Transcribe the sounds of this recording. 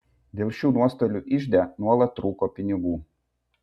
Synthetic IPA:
d̪ʲeːlˠʃʲuːnuɔst̪oːlʲuːʔɪʒʲd̪ʲænuɔlˠɐt̪ːɾuːkoːpʲɪnʲɪɡuː

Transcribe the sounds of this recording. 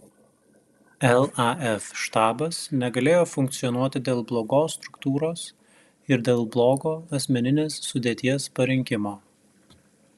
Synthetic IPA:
ɛlˠɑɛfʃt̪ɑːbɐsnʲɛɡɐlʲeːjoːfʊŋkt̪sʲɪjɔnuɔt̪ʲɪd̪ʲeːlˠblˠoːɡoːsːt̪ɾʊkt̪uːɾoːs | ɪɾd̪ʲeːlˠblˠoːɡoːɐsʲmʲɛnʲɪnʲeːsːʊd̪ʲeːt̪ʲiɛspɐɾʲɪŋʲkʲɪmoː

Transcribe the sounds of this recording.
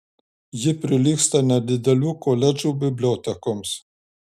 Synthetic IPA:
jɪpɾɪlʲikst̪ɐnɐd̪ɪd̪ɐlʲukɔlʲɛd͡ʒubɪblʲɔt̪ɛkɔms

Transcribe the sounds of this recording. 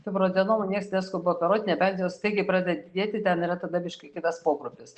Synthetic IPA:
t̪ʲɪpɾoːd͡z̪ʲɛnoːmɐnʲiɛksnʲɛskoboɔt̪ɐɾoːt̪ʲɪnʲɛbʲɛnʲzʲejoːst̪ɐɪɡʲɪpɾɑːd̪ʲdʲɛd̪ʲeːt̪ʲɪt̪ʲɛnɪɾɐt̪ɐd̪ɐbʲɪʃkɐkʲɪt̪ɐspoːkɾʊpʲɪs

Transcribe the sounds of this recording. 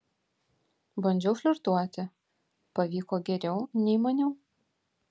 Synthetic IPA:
bɐnʲd͡ʒʲɛʊʃʲlʲʊɾt̪uɔt̪ʲɪ | pɐʋʲiːkoːɡʲɛɾʲɛʊnʲɛɪmɐnʲɛʊ

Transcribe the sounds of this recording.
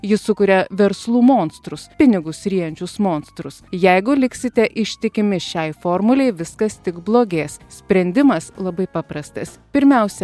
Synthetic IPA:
jɪsʊkʊɾʲɛʋʲɛɾslˠuːmoːnst̪ɾʊspʲɪnʲɪɡʊsɾʲiɛnʲt͡ʃʲʊsmoːnst̪ɾʊsjɛɪɡʊlʲɪksʲɪt̪ʲɛʔɪʃʲt̪ʲɪkʲɪmʲɪʃʲɛɪfoːɾmʊlʲɛɪʋʲɪskɐst̪ʲɪkblˠoːɡʲeːssʲpʲɾʲɛnʲd̪ʲɪmɐslˠɐbɐɪpɑpɾɐst̪ɐspʲɪɾʲmʲɛˑʊsʲɛ

